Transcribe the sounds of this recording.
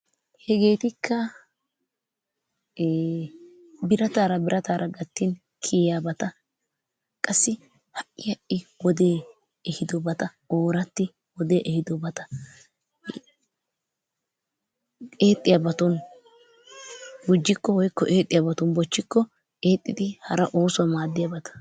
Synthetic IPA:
hɛɡe̞ːt̪ɪkʰːɐ | bɪɾɐt̪aːɾɐbɪɾʔɐt̪aːɾʔɐɡɐt̪ːɪn | kʰiːjaːbɐt̪ɐ | kʼɐsːɪ | hɐʔʔɪjɐʔɪwɔd̪e̞ː | ɛhɪd̪ɔbɐt̪ɐ | oːɾɐt̪ːɪ | wɔd̪eːʔɛhɪd̪ɔbɐt̪ɐ | eːt̪ʼːɪjɐbɐt̪ɔn | ɡʊd͡ʒːɪkːɔwɔjkːɔʔeːt̪ʼːɪjabɐt̪ɔnbɔt͡ʃːɪkːɔ | ʔe̞ːt̪ʼːɪd̪ɪhɐɾɐʔo̞ːsʊwɐmaːd̪ːɪjabɐt̪ɐ̥

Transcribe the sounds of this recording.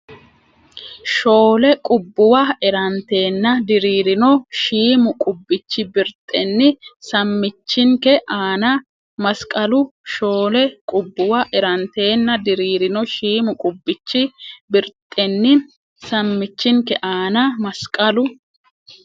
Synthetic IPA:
ʃo̞ːlɛkʼʊbːʊwɐɛɾɐnt̪e̞ːnːɐd̪ɪɾiːɾɪnɔʃiːmʊkʼʊbːɪt͡ʃːɪbɪɾt̪ʼːɛnːɪsɐmːɪt͡ʃːɪŋkɛʔaːnɐ | mɐskʼɐlʊʃo̞ːlɛkʼʊbːʊwɐʔɛɾɐnt̪e̞ːnːɐd̪ɪɾiːɾɪnɔʃiːmʊkʼʊbːɪt͡ʃːɪbɪɾt̪ʼːɛnːɪ | sɐmːɪt͡ʃːɪŋkɛʔaːnɐmɐskʼɐlʊ

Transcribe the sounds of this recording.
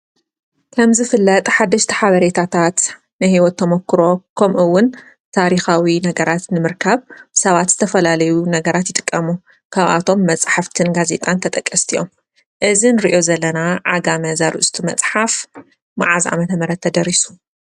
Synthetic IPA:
kʰɐmzɨfɨlːɐt̪ʼħad̪ːɐʃt̪ʰi̥ħaβɐɾe̞t̪ʰat̪ʰat̪ | nɨhiwɔt̪ʰːɐmokːɨɾo̞kʰɐmʔɨwːʊn | t̪ʰaɾixawinɐɡɐɾat̪nɨmɨɾkʰaβsɐβat̪z̥ɨt̪ʰɐfɐlalɐjunɐɡɐɾat̪jɪt̪ʼɨ̥kʼːɐmu | kʰaβʔa̰t̪ʰo̞mːɐt͡sʼħaft̪ʰɨnɡaze̞t̪ʼant̪ʰɐt̪ʼɐkʼːɐst̪ʰijom | ʔɨzinɨɾiʔo̞zɐlːɐnaʕaɡamɐzaɾɨ̰ʔst̪ʰumɐt͡sʼħaf | ma̰ʕazʔa̰mɐt̪ʰɐmɐɾɐd̪ʰɐd̪ɐɾisu̥

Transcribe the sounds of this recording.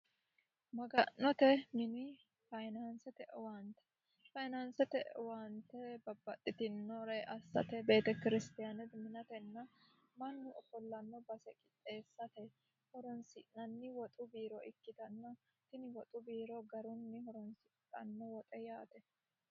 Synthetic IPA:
mɐɡɐnːɔt̪ɛmɪnɪ | fɐjnansɛt̪ɛʔwaːnt̪ɛ̥ | fɐjnansɛt̪ɛʔwant̪ɛbɐbːɐt̪ʼːɪt̪ɪnːɔɾɛʔɐsːɐ̰t̪ɛbe̞ːt̪ɛkɪɾɪst̪ɪjanɛt̪mɪnɐt̪ɛnːɐ | mɐnːʊʔɔfɔlːɐnːɔbɐsɛkʼɪt̪ʼːe̞ːsːɐt̪ɛ | hɔɾɔnsɪnɐnːɪwɔt̪ʼʊbiːɾɔʔɪkːɪt̪ɐnːɐ | t̪ɪnɪwɔt̪ʼʊbiːɾɔɡɐɾʊnːɪhɔɾɔnsɪkʼːɐ̰nːɔwɔt̪ʼɛjaːt̪ɛ

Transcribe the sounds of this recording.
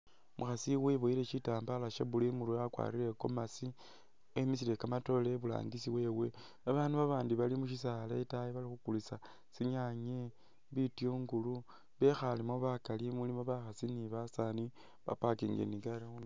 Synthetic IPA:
muxasiweβoileʃitaːmbalaʃeβulimuɾakwa̰ɾiɾe̞ko̞masi | emis̬ile̞kamato̞leβula̰ːŋɡisiwe̞we̞ | aβaːnduβaβaːndiβalimuʃ̬is̬aletajiβalixukulisa | siɲaɲe | βitjoːŋɡulu | βe̞xalimo̞βakalimulimoβaxasiniβasani | βa̰pakiŋɡḛniɡaleun

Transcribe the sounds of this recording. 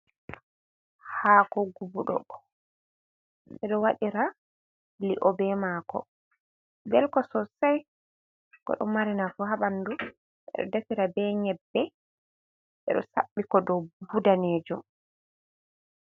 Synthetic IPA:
hakɔɡubuɗɔ̰ɔ | ɓɛɗɔwaɗiɾa | liʔɔbɛmaːkɔ̰ | bɛlkɔsɔsaj | kɔ̰ɗɔ̰maɾinafuɦaɓandu | ɛ̰ɗɔ̰datiɾabɛɲɛbːɛ | ɓɛ̰ɗɔ̰saɓːikɔdɔbudaneːd͡ʒɔ

